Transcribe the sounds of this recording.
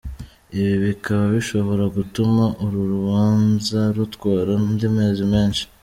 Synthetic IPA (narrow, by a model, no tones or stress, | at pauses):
iβiβikaβaβiʃo̞βo̞ɾaɡutumaʔuɾuɾuβaːnzaɾutwaːɾandimeːzimeːnʃi̥